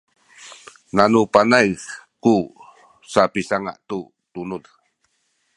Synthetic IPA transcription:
nanupanajku | sapisaŋa̰ʔt̪u | t̪unul

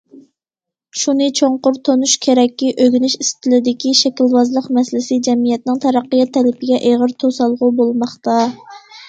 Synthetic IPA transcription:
ʃunɨt͡ʃʰoɴqʊɾt̪ʰonuʃkʲʰeɾɛkʲːiʔøɡʲynɪʃist̪ʰɪlɪd̪ɪkʲiʃɛkʲilwɑzlˠəqmɛslɪsɪd͡ʒɛmijɛt̪̚nɪŋt̪ʰɑɾæqːəjɛt̪ʰːɛlɪpʰɪɡʲɛʔeʁəɾt̪ʰosɑlˠʁʊbolˠmɑχt̪ɑ

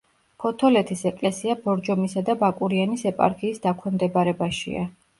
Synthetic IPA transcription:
pʰɔt̪ʰɔlɛt̪ʰisɛkʼlɛsiabɔɾd͡ʒɔmisad̪abakʼuɾianisɛpʼa̰ɾkʰiːsd̪akʰwɛmd̪ɛbaɾɛbaʃḭa̰

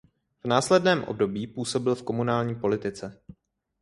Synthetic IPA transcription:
v̥naːslɛdnɛːmʔo̰bdo̞biːpuːso̞bɪlfko̞munaːlɲiːpo̞lɪt̪ɪt͡sɛ

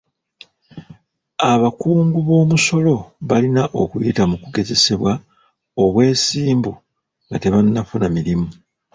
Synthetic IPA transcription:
aβakuːŋɡuβo̞ːmuso̞lo̞βalinaʔo̞kujitamukuɡe̞ze̞se̞βwa | o̞βwe̞ːsiːmbu | ŋɡate̞βanːafunamiɾimu

